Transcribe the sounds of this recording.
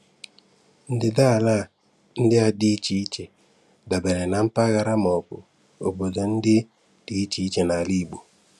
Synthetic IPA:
n̩˦dɪ˦da˦˨la˦˨ | n̩˦dɪ˦a˨di˦t͡ʃi˨˦t͡ʃe˨ | da˨bɛ˨nɛ˨na˨˦m̩˦pa˦ɣa˨ɾa˦mɔ˨pṵ˨ | o˨bo˨da˨n̩˦di˦ | d̥i˦t͡ʃi˨˦t͡ʃe˨na˨li˦˨bu˨

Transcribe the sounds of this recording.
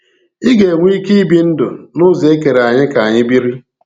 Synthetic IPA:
i˦ɡe˨ŋʷ˦i˦ki˦i˦bi˦n̩˦dʊ̰˨nʊ˦ze˦ke˨ɾa˨ɲɪ˦ka˨ɲɪ˦bi˦ɾi˦

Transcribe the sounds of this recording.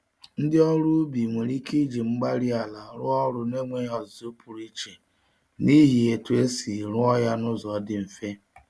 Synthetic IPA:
n̩˦dɪ˦ɔ˦ɾu˦bi˨ŋʷe˨ɾi˦ki˦d͡ʒi˨ŋ͡m̩˦ɡ͡ba˦ɾi˦a˨la˨ɾʊ˦ɔ˦ɾʊ˨ne˦ŋʷe˦ɲ˦ɔ˨zo˦pu˨ɾi˦t͡ʃe˨ | ni˦ɦi˨e˨tu˨e˦si˨ɾʊ˦ɔ˦ja˦nʊ˦zɔ˨˦dɪ˦m̩˨fe˦

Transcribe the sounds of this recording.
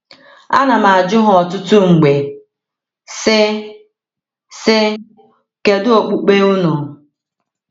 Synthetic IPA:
a̰˦na˨ma˨a˨d͡ʒʊ˦ɦʊ˨ɔ˨tʊ˦tʊ˦ŋ͡m̩˨ɡ͡be˨ | sɪ˦ | sɪ˦ | ke˨dʊ˦o˨k͡pu˦k͡pe˦ʊ˦nʊ˨

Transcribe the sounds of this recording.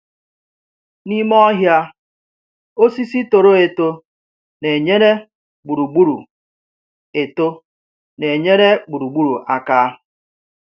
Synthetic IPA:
ni˦m˦ɔ˦ɦja˦ | o˦si˦si˦to˨ɾo˦e˨to˦ | ne˨ɲe˦ɾe˦ | ɡ͡bu˨ɾu˨ɡ͡bu˦ɾṵ˨ | e˨to˦ | ne˨ɲe˦ɾe˦ɡ͡bu˨ɾu˨ɡ͡bu˦ɾu˨ʔa˦kaː˦

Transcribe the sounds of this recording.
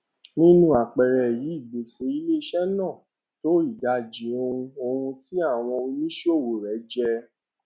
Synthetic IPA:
nĩ˦nũ˦a˨k͡pɛ˨ɾɛ˨ji˨˦i˦˨ɡ͡be˨se˧i˧˦le˦i˧ʃɛ˦nãː˦˨ | to˦i˦˨da˧˨d͡ʒi˨˦o˧ũ˧o˧hũ˧ti˦a˦˨w̃ɔ̃˧nĩ˦ʃo˦˨wo˨ɾɛ˨˦d͡ʒɛ˧

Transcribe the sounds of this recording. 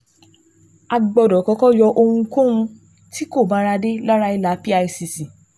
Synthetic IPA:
a˧ɡ͡bɔ˧dɔ˨kɔ˧kɔ˦jɔ˧ʔo˧ũ˧kõ˦ũ˧ | ti˦ko˦˨ba˨˦ɾa˧de˦la˦ɾa˧i˧la˨˦pi˦a˧i˧si˨si˨

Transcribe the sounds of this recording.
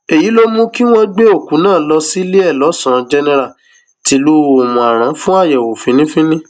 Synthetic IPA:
e˨ji˨˦lo˦mũ˦ki˦w̃ɔ̃˦ɡ͡be˦o˦˨kũ˨˦nãː˦˨lɔ˧si˦le˦ɛ˦˨lɔ˨˦sã˨˧d͡ʒɛ˧nɛ˧ɾa˨ | ti˨˦lu˦˧o˨mũ˨a˨ɾ̃ã˨˦fũ˦a˦˨jɛ˨wo˨fĩ˨˦nĩ˦fĩ˦nĩ˦

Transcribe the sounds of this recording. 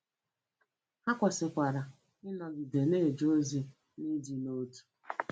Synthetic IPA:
ha˦kʷa˨sɪ˨kʷa˨ɾa˨ | ɪ˦nɔ˨ɡi˨de˨ne˦e˨d͡ʒo˦zi˦ | ni˦d͡ʒi˨no˦tu̥˨

